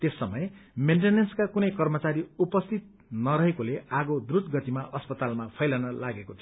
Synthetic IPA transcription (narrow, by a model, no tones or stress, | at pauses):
t̪esːʌmʌjmeɳʈenenskakunʌjkʌrmʌt͡saɾiupʌst̪ʰit̪̚nʌɾʌɦekoleʔaɡod̪rudɡʌt̪imaʔʌspʌt̪almapʰʌjlanʌlaɡekot͡sʰio